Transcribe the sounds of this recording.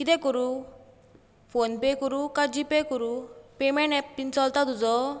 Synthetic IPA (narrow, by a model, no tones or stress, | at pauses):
kit̪ɛkɔɾu | fʰonpekɔɾukad͡ʑipekɔɾupemɛ̃ɳʈɛpːint͡sɔlt̪at̪ud͡zɔ